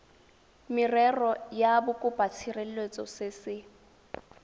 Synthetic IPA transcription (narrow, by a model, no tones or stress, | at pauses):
mɪrɛrɔjabʊkʼʊpʼat͡sʰirɛlwet͡sʼɔ̰sɪsɪ